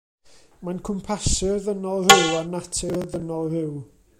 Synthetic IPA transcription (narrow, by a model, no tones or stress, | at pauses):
mankʰɔmpʰasɪrðənɔlˠrɪwanatʰɪrðənɔlˠrɪw